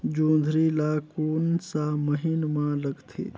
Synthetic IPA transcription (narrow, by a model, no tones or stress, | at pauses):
d͡ʒõːnd̪ʱɾilakunsaməɦinmãləɡt̪ʰḛː